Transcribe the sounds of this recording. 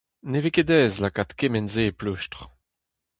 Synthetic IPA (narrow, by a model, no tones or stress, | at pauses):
neveked̪ɛːzlakat̪kemɛnzeplyʃtʁ